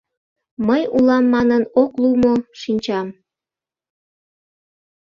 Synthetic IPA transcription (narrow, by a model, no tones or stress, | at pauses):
məjulɑmːɑnənoklumoʃinʲt͡ɕɑm